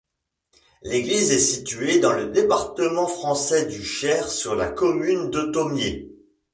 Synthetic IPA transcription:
leɡlizɛsit̪yed̪ɑ̃ləd̪epaʁt̪əmɑ̃fχɑ̃sɛd̪yʃɛʁsyʁla̰kɔmynd̪ət̪ɔmje

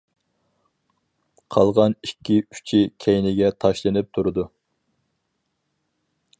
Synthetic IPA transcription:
qʰɑlˠʁɑnikʲːiy̥t͡ʃʰikʲʰɛjnɪɡʲɛt̪ʰɑʃlˠɨnɪp̚t̪ʰuɾɨd̪u

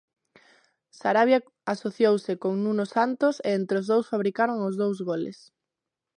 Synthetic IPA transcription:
saɾaβja | asoθjowsɪkoŋnũnosant̪oseent̪ɾeozðowsfaβ̞ɾikaɾoŋozðowzɣolḛs

